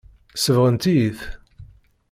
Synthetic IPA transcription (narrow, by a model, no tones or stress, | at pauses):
səvʁənt̪iθ